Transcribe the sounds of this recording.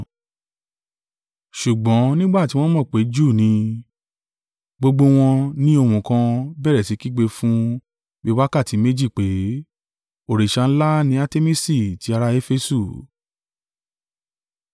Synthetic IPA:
ʃu˨ɡ͡bɔ̃˨˦nĩ˦ɡ͡ba˦˨ti˦w̃ɔ̃˦mɔ̃˦˨k͡pe˨˦d͡ʒuː˦˨nĩ˧ | ɡ͡bo˧ɡ͡bo˧w̃ɔ̃˧nĩ˦o˧mũ˨kã˧bɛ˦˨ɾɛ˨si˨˦ki˦ɡ͡be˧fũ˦ | be˦wa˦ka˦˨ti˨˦me˦d͡ʒi˦˨k͡pe˨˦ | o˨ɾe˨ʃa˧ñ̩˦la˦nĩ˨˦a˧te˦mi˦si˦˨ti˨˦a˧ɾa˧e˦fe˧su˦˨

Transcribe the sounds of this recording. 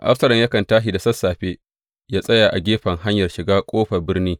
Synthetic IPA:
ʔa̰˦fsɐ˨lɐ˨ɲjɐ˦kɐ˨ntaː˦ʃi˨da˨sɐ˦sːaː˨ɸeː˦ | jaː˦sʼɐ˦jaː˨ʔa˨ɡʲeː˦ɸɐ˨ŋɦa˦ɲjɐ˨rʃɪ˨ɡaː˦kʷʼoː˦ɸɐ˨bɪ˦rniː˦

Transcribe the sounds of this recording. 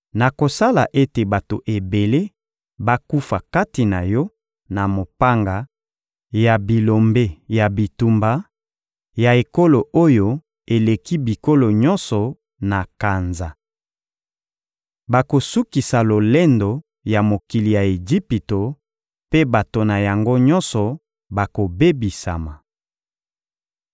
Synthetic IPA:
na˨ko˨sa˦la̰˨ʔe˦te˨ba˨to˨ʔe˨be˨le˦ | ba˦ku˦fa˨ka˦ti˨na̰˨jɔ˦ | na˨mo˨pa˦ŋɡa˨ | ja˨bi˨lo˨mbe˦ja˨bi˨tu˨mba˦ | ja˨e˨ko˦lo˨ʔo˦jo˨ | e˨le˨ki˦bi˨ko˦lo˨ɲɔ˦nsɔ˨ | na˨ka˨nza˨ | ba˨ko˨su˦ki˨sa˨lo˨le˦ndo˨ | ja˨mo˨ki˨li˨ja˨e˨d͡ʒi˦pi˨to˨ | pe˦ba˨to˨na˨ja˨ŋɡo˦ɲɔ˦nsɔ˨ | ba˨ko˨be˦bi˨sa̰˨ma˨

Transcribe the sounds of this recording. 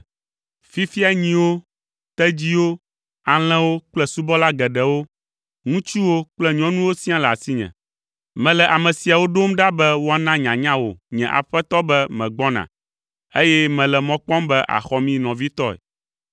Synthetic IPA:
fi˦fi˦a˨ɲĩ˨wo˦ | t̪ɛ˦d͡ʑi˦wo˦ | a˨l̃ɛ̃˦wo˦k͡plɛ˦su˦bɔ˦la˦ɡɛ˨ɖɛ˨wo˦ | ŋũ˦t͡ʃu˦wo˦k͡plɛ˦ɲɔ̃˦nũ˦wo˦sĩ˦ã˦lɛ˨a˨si˦ɲɛ̰̃˨ | mɛ̃˨lɛ˨ʔa˨mɛ̃˨si˨a˨wo˦ɖo˦mɖa˦bɛ˦wo˦a˨nã˦ɲã˨ɲã˦wo˨ɲɛ̰̃˨ʔa̰˨ɸɛ˦t̪ɔ˦bɛ˦mɛ̃˨ɡ͡bɔ˦nã̰˨ | e˦jɛ˦mɛ̃˨lɛ˨mɔ̃˦k͡pɔ̃˦mbɛ˦ʔa̰˨xɔ˦mĩ˦nɔ̃˨vi˦t̪ɔ˦ɛ̰˨

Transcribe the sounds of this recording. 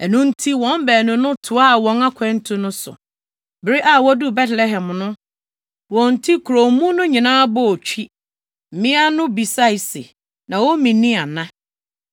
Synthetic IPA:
ɛ˨nʊ̃˦n̩˦tʰi˦wɔ̃˨˦mbæː˨nʊ̃˨nʊ̃˦tʰʊ˨a˦a˨wɔ̃˦na˦kʰʷɛ̃˦n̩˦tʰũ˦nʊ̃˦sʊ̰˨ | bɪ˨ɾi˦ʔa˨wɔ˦du˦bɛ˦tlɛ˦ɦɛ̃˨mnʊ̃˦ | wɔ̃˨n̩˨tʰi˦kʰu˨ɾo˨mũ˦nʊ̃˦ɲĩ˨nãː˦bɔ˦˨t͡ɕᶣʰi˦ | m̩˨mɪ̃˦a˦nʊ̃˦bi˨sa˦i˨sɪ̰˨ | nã˨wɔ˦mĩ˨nĩ˦a˨nã˦

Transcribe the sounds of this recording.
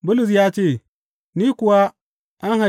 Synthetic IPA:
bu˦lu˨s̬ja˦t͡ʃe˦˨ | ni˦ku˨wa˦ | a˦nɦa˨

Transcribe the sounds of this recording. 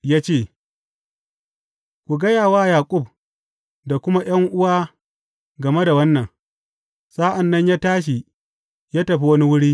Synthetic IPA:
jaː˦t͡ʃeː˦˨ | kʷu˨ɡɐ˦jaː˨waː˦jaː˨kʷʼʊ˦˨b̚ | da˨kʷʊ˦ma˦j̰ɐ˦ŋʔʊ˦waː˦ | ɡɐ˨me˦da˨wɐ˦nːɐ˨ŋ | sa˦ʔa˨nːɐ˦ɲjaː˦taː˦ʃ̬i˨ | jaː˦tɐ˨ɸi˦wɐ˦ni˦wʊ˦ɽiː˦

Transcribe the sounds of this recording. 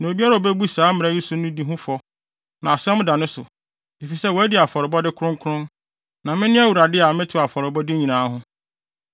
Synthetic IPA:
nã˨o˨bi˦a˦ɾa˨o˨bɛ˦bu˦saː˦mɪ̃˨ɾɛ˦ji˦sʊ˦nʊ̃˦di˦ɦʊ̃˦fɔ˨ | nã˨a˨sɛ̃˦m˦da˨nʊ̃˦sʊ̰˨ | e˨fi˨sɛ˦wæ˦di˨a˨fɔ˨ɾɪ˨bɔ˦dɪ˦kʰʊ˦ɾʊ̃˦ŋkʰʊ˦ɾʊ̃˦n | nã˨mɪ̃˦nɪ̃˦æ˦wu˨ɾa˨dɪ˦a˨mɪ̃˦tʰʊ˨a˨fɔ˨ɾɪ˨bɔ˦dɪ˦ɲĩ˨nãː˨˦ɦʊ̃˦

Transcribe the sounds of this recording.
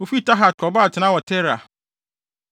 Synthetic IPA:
o˨fi˦ta˦ɦa˨tʰɔ˨ba˦˨tʰɪ˨nã˦wɔ˨tʰɛ˦ɾa̰˨

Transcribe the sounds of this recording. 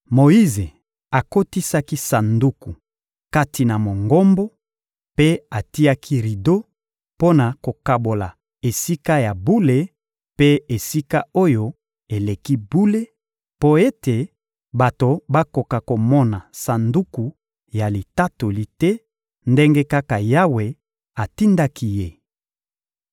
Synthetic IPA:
mo˨ji˦ze˨ | a˨ko˦ti˦sa˦ki˦sa˨ndu˦ku˨ | ka˦ti˨na˨mo˨ŋɡo˦mbo˦ | pe˦a˨ti˦ja˦kʰi˦ʁi˨do˦ | po˦na˨ko˨ka˨bo˨la˨ | e˨si˦ka˦ja˨bu˦le˦ | pe˦e˨si˦ka˦o˦jo˦ | e˨le˨ki˦bu˦le˦ | po˦e˦te˨ | ba˨to˨ba˦ko˨ka˨ko˨mɔ˦na˨sa˨ndu˦ku˨ | ja˨li˨ta˦to˨li˦tɛ˦ | nde˦ŋɡe˦ka˦ka˨ja˦we˨ | a˨ti˦nda˦ki˦je˦

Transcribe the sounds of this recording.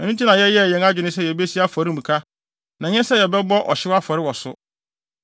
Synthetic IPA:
ɛ˨nũ˦tʰi˦nã˨jɛ˦jɛ˦˨jɛ̃˨˦ŋa˦d͡ʑᶣɪ˨nɪ̃˦sɛ˦jɛ˨be˦si˦a˦fɔ˨ɾi˦˨mũ˨kʰa˦ | nã˨ɲɛ̃˦sɛ˦jɛ˨bɛ˦bɔ˦ʔɔ̰˨ɕɪ˦wa˦fɔ˨ɾɪ˦wɔ˨sʊ˦

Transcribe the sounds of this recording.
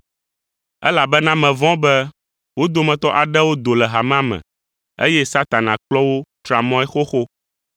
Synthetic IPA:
ɛ˦la˨bɛ˦nã˦mɛ̃˨vɔ̃˦bɛ˦ | wo˦d̪o˨mɛ̃˨t̪ɔ˦ʔa˨ɖɛ˦wo˦d̪o˨lɛ˨ɦa˨mã˦mɛ̰̃˨ | ḛ˦jɛ˦sa˦t̪a˨nã˨k͡plɔ˦wo˦t̪ɾa˨mɔ̃˦ɛ˦xo˦xo˦

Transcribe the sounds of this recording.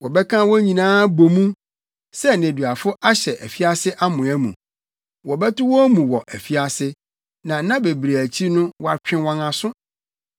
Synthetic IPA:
wɔ˨bɛ˦kʰã˦wɔ˦ɲĩ˨nãː˦bo˨mũ˦ | sɛ˦nẽ˨dɥa˨fʊ˦ʔa˦ɕɛ˨ʔæ˨fi˦a˦sɪ˦ʔa˦mʊ̃˨æ˦mṵ̃˨ | wɔ˨bɛ˦tʊ˦wɔ˦mũ˨wɔ˨ʔæ˨fi˦a˨sɪ˦ | nã˨˦nã˦be˨bɾe˨æ˨t͡ɕʰi˦nʊ̃˦wɔ˦a˨t͡ɕᶣɪ̃˦wɔ̃˨nã˨sʊ˦

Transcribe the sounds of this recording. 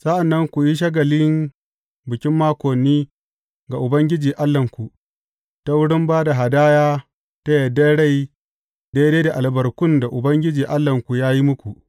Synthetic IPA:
sa˦ʔa˨nːɐ˦ŋkʷu˨ji˦ʃ̬ɐ˦ɡɐ˨lɪ˦ŋ | bɪ˨kʲɪ˦mːaː˦kʷɔ˨nːiː˦ | ɡa˨ʔʊ˨bɐ˦ŋɡʲɪ˦d͡ʒiː˨ʔa˦lːɐ˨ŋkʷu˨ʔ | ta˦wʊ˦ɽɪ˦mbaː˦da˨ɦa˨daː˦jaː˦ | ta˦jɐ˨dːa˦ɽa˦˨j | da˦jdeː˦da˨ʔa˨lbɐ˨rkʷʊ˦nda˨ʔʊ˨bɐ˦ŋɡʲɪ˦d͡ʒiː˨ʔa˦lːɐ˨ŋkʷu˨jaː˦ji˦mʊ˦kʷu˨ʔ

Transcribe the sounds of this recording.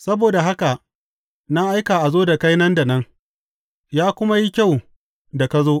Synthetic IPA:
sɐ˦boː˨da˨ɦa˦ka˨ʔ | na˦ʔa˦jkaː˨ʔa˨zoː˦da˨ka˦jnɐ˦nda˨nɐ˦ŋ | jaː˦kʷʊ˦ma˦ji˦kʲa˦˨w | da˨ka˦zoː˦ʔ

